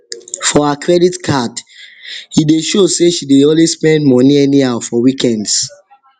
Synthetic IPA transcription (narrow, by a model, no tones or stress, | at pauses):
fɔakʰɹɛditkʰad | hideʃoseʃideɔlwespɛ̃ndmɔniɛniaʊfɔwikʰɛ̃nds